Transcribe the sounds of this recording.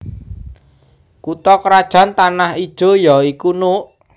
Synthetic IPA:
kut̪ɔkɾad̥ʒ̥a̤nt̪anahid̥ʒ̥o̤jɔikunuʔ

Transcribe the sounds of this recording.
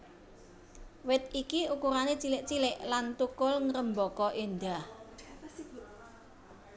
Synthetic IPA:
wɪt̪̚ikiukuɾanet͡ʃilɪʔt͡ʃilɪʔlant̪ukʊlŋɾəmbɔkɔʔind̪a

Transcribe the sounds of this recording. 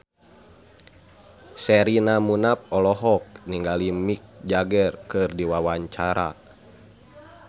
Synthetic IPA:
sɛɾinamunap̚ɔlɔɦɔk̚niŋɡalimik̚d͡ʒaɡɛrkɨrdiwawaɲt͡ʃaɾa̰

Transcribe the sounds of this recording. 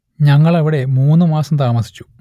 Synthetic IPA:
ɲɐŋːɐɭɐʋiɽe̞muːnːɨmaːsɐmt̪aːmɐsi̥t͡ɕːu̥

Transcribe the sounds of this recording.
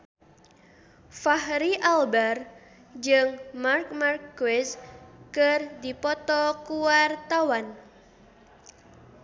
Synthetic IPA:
fahɾiʔalbɛr | d͡ʒɨŋmarkmarkːwɛskərdipɔt̪ɔkuwart̪awan

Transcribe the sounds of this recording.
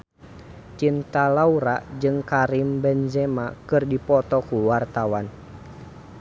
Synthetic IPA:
t͡ʃint̪alauɾaʔd͡ʒɨŋkaɾimbɛnd͡ʒɛmakɨrdipɔt̪ɔkuwart̪awan

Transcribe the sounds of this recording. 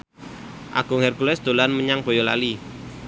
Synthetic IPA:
ʔa̰ɡ̥ʊ̤ŋhɛrkulɛsd̪̥o̤lanməɲaŋb̥o̤jola̰li

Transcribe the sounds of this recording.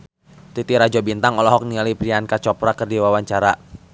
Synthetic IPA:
t̪it̪iɾad͡ʒɔbint̪aŋɔlɔɦɔk̚nialipɾiankat͡ʃɔpɾakərdiwawaɲt͡ʃaɾa

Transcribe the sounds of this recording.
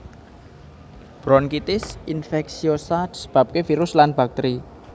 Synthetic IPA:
b̥ɾɔnkit̪ɪsinfɛksiosad̪̥i̥sə̥b̥a̤p̚kefiɾʊslanb̥a̤k̚t̪ɾi

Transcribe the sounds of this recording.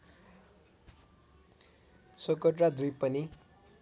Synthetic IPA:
sokʌʈrad̪ujpʌni

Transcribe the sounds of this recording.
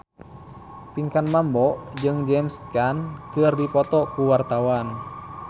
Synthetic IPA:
piŋkanmambɔd͡ʒɨŋd͡ʒɛmskankɨrdipɔt̪ɔkuwart̪awan

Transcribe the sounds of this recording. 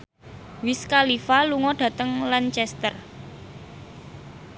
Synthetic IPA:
wɪskalifaluŋɔɖ̥ä̤t̪əŋlant͡ʃɛst̪ər

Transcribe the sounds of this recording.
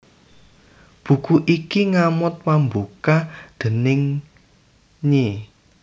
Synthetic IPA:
b̥ṳkuʔikiŋamʊt̪̚wambukad̪̥ə̤nɪŋ | ɲe

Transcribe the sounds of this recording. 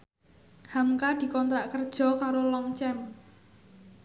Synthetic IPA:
hamkad̪̥i̤kɔnt̪ɾaʔkərd̥ʒ̥ɔ̤kaɾolɔŋt͡ʃɛm

